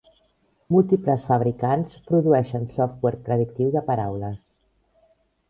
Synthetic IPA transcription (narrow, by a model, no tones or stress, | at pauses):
mulˠt̪ipləsfəβ̞ɾikanspɾuðuɛʃənsɔft̪̚wɛɾt̪ɾəð̞ik̚t̪iwðəpəɾawləs